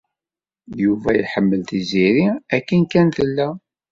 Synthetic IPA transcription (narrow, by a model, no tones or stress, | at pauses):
juvæjħəmːəlt̪iziɾiækːənkːænt̪əlːæ